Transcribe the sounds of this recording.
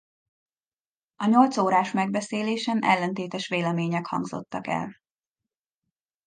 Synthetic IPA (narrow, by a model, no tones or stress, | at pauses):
ɒɲo̞lt̪soːɾaːʃmɛɡbɛseːleːʃɛnʔɛ̰lːɛnt̪eːt̪ɛʃʋeːlɛmeːɲɛkhɒ̰ŋɡzo̞̰t̪ːɒkɛ̰l